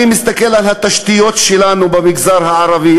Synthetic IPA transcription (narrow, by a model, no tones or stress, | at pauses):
imist̪akelʕalhat̪aʃt̪ijo̞t̪ʃelanubemiɡzaɾhaʕaɾavi